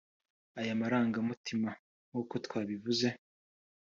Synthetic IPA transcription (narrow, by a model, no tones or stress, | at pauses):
ajamaɾaːŋɡamutima | ŋ̥uːko̞twaːβivuze̞